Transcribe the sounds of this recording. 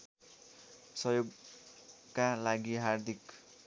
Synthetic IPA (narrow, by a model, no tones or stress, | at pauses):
sʌjoɡ | kalaɡiɦard̪ʱik